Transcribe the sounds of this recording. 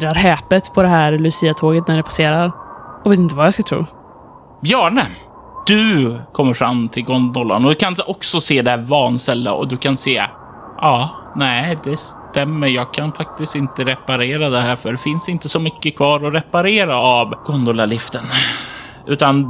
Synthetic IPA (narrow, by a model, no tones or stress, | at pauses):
ɾaɾɦɛːpət̪pʰɔd̪ɛɦæːɾlɵsiːat̪ʰoːɡət̪næɖɛpʰaseːɾaɾɔveːt̪ɪnt̪əvajaskat̪ʰɾṵː | bjœːɳə | d̪̥ɵkʰɔmːəɾfɾamt̪ʰɪlɡɔnd̪ɔlːa̰nɔd̪ɵkʰanɔksɔseːd̪ɛævɑːnst̪ɛlːa̰ɔ̰d̪ɵkʰanseː | ʔɑːnæd̪ɛst̪ɛmːəɾjɑːɡ̚kʰanfak̚t̪ɪst̪ɪnt̪əɾɛpaɾeːɾad̪ɛɦæːɾfœɖɛfɪnsɪnt̪əsɔmʏkːəkʰvɑːɾɔɾɛpaɾeːɾaavɡ̥ɔnd̪ɔlalɪft̪ən | ʔʉ̟ːt̪an